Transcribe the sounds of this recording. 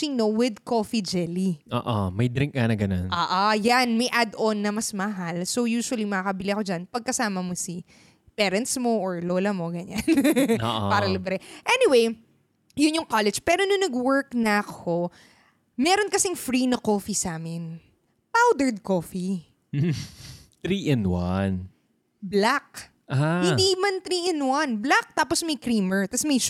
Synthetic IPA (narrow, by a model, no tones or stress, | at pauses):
ɪŋnowɪd̪koːfid͡ʒɛliʔo̰ːʔomɐjd̪ɾɪŋk̚ŋɐnɐɡɐno̰nʔoːʔojanmɐjʔad̪ʔonːɐmɐsmɐɦalso̞wjuːʃʊwɐlimɐŋakɐbɪliɐko̞d͡ʒanpɐɡ̚kɐsaːmɐmosi | pɛːɾɐnt̪smo̞ʔoɹloːlɐmo̞ɡɐɲanːʔpaːɾɐlibɾɛʔɛniwej | jʊnjʊŋkalɛd͡ʒpɛːɾonɐnɐɡwɛɹknɐʔɐkʰo̞ | mɛːɾonkɐsɪŋfɾinɐkoːfisaːmɪn | pawd̪ɛɹd̪̚koːfi | t̪ɾiːʔɛnwa̰n | blak̚ | ʔahɪnd̪iːmɐnt̪ɾiʔɪnwɐnblak̚t̪aːposmɐjkɾiːmɛɹt̪ɐsmɐj